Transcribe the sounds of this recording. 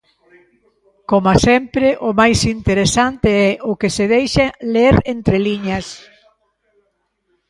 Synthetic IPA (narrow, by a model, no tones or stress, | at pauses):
komasɛmpɾɪʔʊmajsint̪eɾesant̪ɪɛʔʊkeseðejʃaleɾent̪ɾeliɲɐs